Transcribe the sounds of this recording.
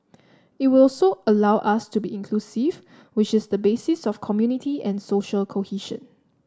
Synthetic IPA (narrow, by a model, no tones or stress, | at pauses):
ɪt̚wɪsoʔəlawʔastubiĩnkʰlusiv | wɪt͡ʃɪsdəbesisɔfkʰɔmjunitʰiɛ̃nsoʃəlkʰohiʃə̰̃n